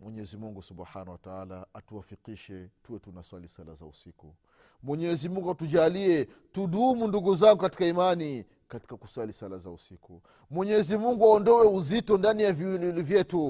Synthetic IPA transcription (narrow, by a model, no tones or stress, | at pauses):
mwɛɲɛzimuŋɡusubħanawataalaatuwafikiʃɛtuwɛtunaswalisala̰za̰usiku | mwɛɲɛzimuŋɡuatud͡ʒaliɛ | tuɗumunduɡuzaŋɡukati̥kaimani | kati̥kaku̥swalisalazausiku | mwɛɲɛzimuŋɡuaɔndɔwɛuzitɔndanijaviwililivjɛtu